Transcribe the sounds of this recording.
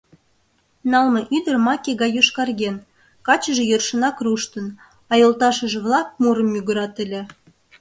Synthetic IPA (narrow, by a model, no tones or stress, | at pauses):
nɑlmɤ̆ʔyd̪ərmɑkʲeɣɑjoʃkɑrɣen | kɑt͡ɕəʒĕjørʃə̆nɑkruʃt̪ə̆n | ɑjolt̪ɑʃə̆ʒĕβlˠɑk̚muɾəmːyɣəɾɑt̪əlʲĕ